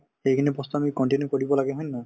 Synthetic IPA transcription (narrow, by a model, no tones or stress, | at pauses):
xejkʰinɛpɔst̪ɔamikɔɳʈinjukɔɹibɔlaɡeɦõjnːɔ